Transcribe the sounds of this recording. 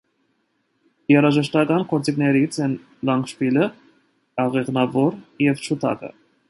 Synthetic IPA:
jɛɾɑʒɛʃt̪ɑkɑnkʰɔɾt͡siknɛɾit͡sʰɛn | lɑŋkʃpilə | ɑʁɛʁnɑvɔɾjɛvt͡ʃʰut̪ʰɑ̰kə̰

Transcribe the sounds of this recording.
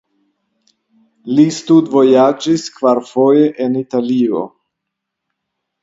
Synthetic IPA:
listudvo̞jad͡ʒiskvaɾfo̞jeʔenitalio̰

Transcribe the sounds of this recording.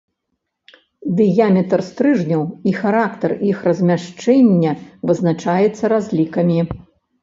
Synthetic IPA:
d̪ɨjamʲɛt̪rst̪ɾɨʐnʲɐwixaɾakt̪ɐrixrɐzʲmʲaʂt͡ʂɛnʲːɛvɨznat͡ʂajɛt̪sːɐɾazʲlʲikɐmʲi

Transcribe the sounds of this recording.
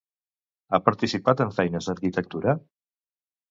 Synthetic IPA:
apəɾt̪isipat̪əɱfɛjnəzðəɾkit̪ək̚t̪uɾə

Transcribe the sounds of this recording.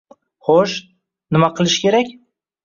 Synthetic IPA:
χoʃ | nɪmaqʰɨlˠɪʃkʲe̞ɾakʲ

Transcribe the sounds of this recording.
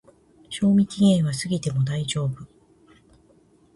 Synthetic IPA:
ɕo̞ːmʲikʲiɡẽ̞ɰ̃β̞asɨɡʲit̪e̞mo̞d̪aid͡ʑo̞ːbɯ̟

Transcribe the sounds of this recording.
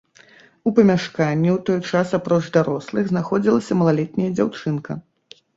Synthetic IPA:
upɐmʲaʂkanʲːɛwt̪ɔjt͡ʂasapɾɔʐd̪aɾɔslˠɨɣznaxɔd͡zʲilˠɐsʲɐmɐlˠalʲɛt̪̚ʲnʲɐjɐd͡zʲawt͡ʂɨnkɐ

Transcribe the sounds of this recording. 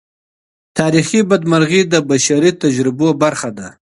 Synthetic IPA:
t̪ʰɑːɾixibad̪maɾɣid̪əbaʃaɾit̪ad͡ʒɾɪbobaɾxad̪a

